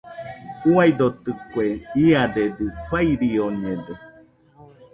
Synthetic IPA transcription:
uajd̪ot̪ɨkweiad̪ed̪ɨɸajɾioɲẽd̪o

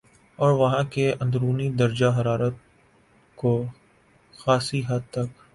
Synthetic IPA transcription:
ɔːɾʋɐɦãkeɐ̃nd̪ɾuːnid̪ɐɾd͡ʒaɦɐɾaːɾət̪̚ | ko | xaːsiɦɐd̪̚t̪ɐk

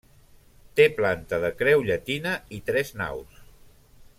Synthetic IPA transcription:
t̪eplant̪əðəkɾɛwʎət̪inəit̪ɾɛzna̰ws

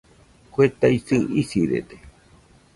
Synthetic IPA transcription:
hwet̪aisɨʔisiɾḛt̪e̥

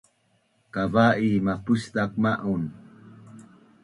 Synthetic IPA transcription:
kavaimapuɕt̪ak̚maʔun

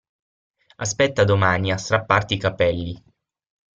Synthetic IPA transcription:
aspɛt̪ːad̪omaniast̪ɾapːart̪ikapɛlːi

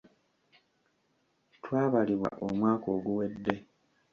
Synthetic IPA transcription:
twaːβaliβwa̰ʔomwaːko̞ːɡuwe̞dːe̞

